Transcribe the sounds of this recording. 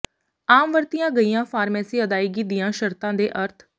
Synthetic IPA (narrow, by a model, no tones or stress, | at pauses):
aːmʋəɾt̪ɪjãːɡəijãːfʰaːɾmɛːsiːəd̪aːiːɡid̪ɪjãːʃəɾt̪ãːd̪eːʔəɾt̪ʰ